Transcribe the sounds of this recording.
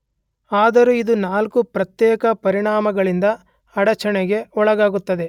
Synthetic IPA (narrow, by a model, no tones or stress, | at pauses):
aːd̪ɐɾuid̪unaːlkupɾɐt̪jɛːkɐpɐɾiɳaːmɐɡɐɭind̪ɐ | ɐɽɐt͡ʃɐɳɛɡe̞ɔɭɐɡaːɡut̪ːɐd̪e̞